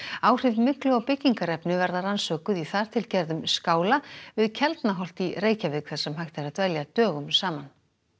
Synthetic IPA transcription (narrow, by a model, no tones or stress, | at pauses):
aːwr̥ɪvmɪklʏawpɪcːiŋkaɾɛpnʏvɛɾðaransœːkʏðiθaɾ̥t̪ʰɪlcɛɾðʏmskaːwlavɪðcʰɛlt̪naɦɔl̥t̪ireːjcavɪkʰθḁsɛmɦajht̪ɪɾaðt̪vɛljat̪œːɣʏmsaːman